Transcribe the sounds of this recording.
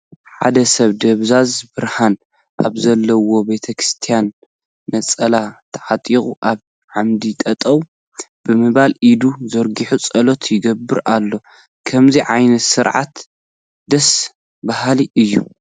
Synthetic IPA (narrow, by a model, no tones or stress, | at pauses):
ħad̪ɐsɐβd̪ɐβzazbɨɾhan | ʔa̰βzɐlːɐwo̞be̞t̪ʰɐkɾɨst̪ʰijanː | ɐt͡sʼɐlat̪ʰɐʕat̪ʼixʼuʔaβ | ʕamd̪it̪ʼɐt̪ʼɐw | b̥ɨmɨβalʔid̪uzɐɾɡiħut͡sʼɐlo̞t̪ʰjɪɡɐbːɨɾʔalːo̞ | kʰɐmziʕajnɐt̪sɨɾʕa̰t̪ | d̪ɐs | bahliʔɨjːu